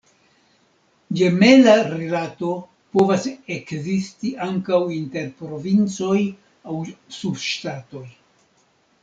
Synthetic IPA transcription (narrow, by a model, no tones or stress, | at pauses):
d͡ʒe̞me̞laɾilato̞ | po̞vase̞kzistiaŋkawinte̞ɾpɾo̞vint͡so̞j | awsubʃtato̞j